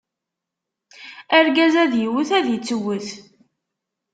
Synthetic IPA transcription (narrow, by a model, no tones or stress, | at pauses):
æɾɡæzæðjiwəθæðjət͡sːəwːəθ